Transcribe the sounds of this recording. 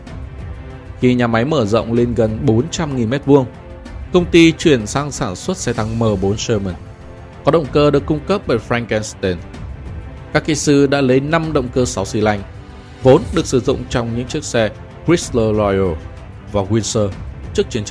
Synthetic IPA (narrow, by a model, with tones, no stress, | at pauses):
xi˧ɲaː˨˩ma˨˦jməː˧˩zə̰˧˨wŋ͡mle˧nɣə˨˩nɓo˨˦nt͡ɕa˧mŋi˨˩nmɛ˦˥t̚vu˧əŋ | kə˧wŋ͡mt̪i˧t͡ɕwi˧˩ənsaː˧ŋsaː˧˩nswə˦˥t̚sɛ˧t̪a˧ŋməː˨˩ɓo˨˦nsəː˧mə˨˩n | kɔ˨˦ɗə̰˧˨ŋ͡mkəː˧ɗɨ˨˩əkːʊ˧ŋ͡mkə˦˥p̚vəː˧˩jfɾa˧ŋkɛ˧nst̪e˧n | kaː˦˥kkḭ˧˨sɨ˧ɗa̰ː˧˥lə˨˦jna˧mɗə̰˧˨wŋ͡mkəː˧sa˨˦wsi˧˩la˧jŋ̟ | vo˨˦nɗɨ˨˩ək̚sɨ˧˩zʊ̰˧˨ŋ͡mt͡ɕɔ˧wŋ͡mɲɨ̰˧˥ŋt͡ɕɨ˦˥ək̚sɛ˧ | kɹi˦˥st̪əː˧lɔ˧jo˧˩ | vaː˨˩ɣwi˧nsəː˧t͡ɕɨ˦˥ək̚t͡ɕi˨˦ən